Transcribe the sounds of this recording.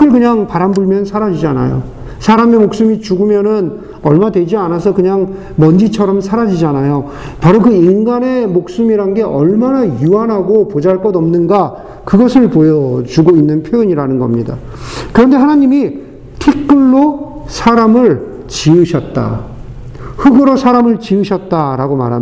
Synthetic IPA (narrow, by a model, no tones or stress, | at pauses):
k͈ɯɭkɯɲaŋpaɾambuɭmjʌnsʰaɾad͡ʑid͡ʑiana̰jo̰ | sʰaɾamemok̚s͈ɯmit͡ɕuɡɯmjʌnɯn | ʌɭmaadwe̞d͡ʑianasʰʌkɯɲaŋ | mʌnd͡ʑit͡ɕʰʌɾʌmsʰaɾad͡ʑid͡ʑianajo | paɾokɯinɡane̞mok̚s͈ɯmiɾanɡe̞ʔʌɭmanajuanɦaɡopod͡ʑaɭk͈ʌdʌmnɯnɡa | kɯɡʌsʰɯɭpojʌt͡ɕuɡoinːɯnpʰjojʌɲiɾanɯnɡʌ̰mɲida̰ | kɯɾʌnde̞ɦanaɲimi | tʰek̚k͈ɯɭːo | sʰaɾamɯɭ | t͡ɕiɯɕʰʌt̚t͈a̰ | hɯɡɯɾosʰaɾamɯɭt͡ɕiɯɕʰʌt̚t͈aɾaɡoma̰ɾɦa̰m